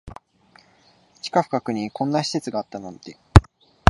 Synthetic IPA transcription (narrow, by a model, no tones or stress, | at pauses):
t͡ɕi̥kaɸɯ̟̥kakɯ̟ɲ̟ikõ̞nːaɕi̥se̞t͡sɨɡaːt̪ːanõnt̪ːe